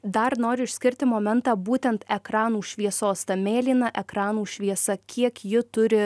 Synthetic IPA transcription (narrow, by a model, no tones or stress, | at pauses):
d̪ɐɾnoːɾʲɪɪʃʲsʲkʲɪɾʲt̪ʲɪmoːmʲɛnt̪ɑːbuːt̪ʲɛnt̪ɛkɾɑːnuːʃʲʋʲiɛsoːst̪ɐmʲeːlʲiːnɐʔɛkɾɑːnuːʃʲʋʲiɛsɐkʲʰiɛkjɪt̪ʊɾʲɪ